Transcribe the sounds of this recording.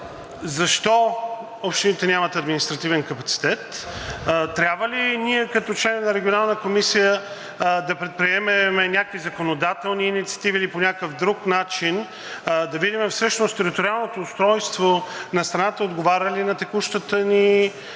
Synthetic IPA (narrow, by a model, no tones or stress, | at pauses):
zɐʃt̪ɔ | ɔpʃt̪init̪ɛnʲamət̪ɐd̪minist̪ɾɐt̪ivɛnkɐpɐt̪si̥t̪ɛt̪ | t̪ɾʲabvəliniɛkɐt̪ɔt͡ʃlɛnvnɐɾɛɡʲionalˠnəkomisijə | d̪ɐpɾɛt̪̚pɾiɛmɛmɛnʲakoizɐkonod̪at̪ɛlˠniːnit̪si̥ɐ̥t̪iviliponʲakəvd̪ɾuknat͡ʃin | d̪ɐvid̪imɛfsɤʃnost̪ɛɾit̪oɾialˠnot̪oːst̪ɾɔjst̪vonɐst̪ɾɐnat̪əod̪ɡovaɾʲəlinɐt̪ɛkuʃt̪ət̪əni